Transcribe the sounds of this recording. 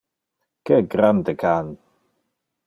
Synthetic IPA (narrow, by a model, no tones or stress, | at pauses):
kəɡɾandəkʰan